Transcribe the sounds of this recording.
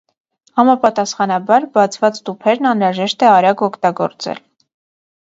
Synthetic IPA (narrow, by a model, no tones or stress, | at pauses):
hɑmɑpɑt̪ɑsχɑnɑbɑɾbɑt͡sʰvɑt͡st̪upʰɛɾnɑnɾɑʒɛʃt̪ɛɑɾɑɡɔkʰt̪ɑɡɔ̰ɾt͡sɛ̰l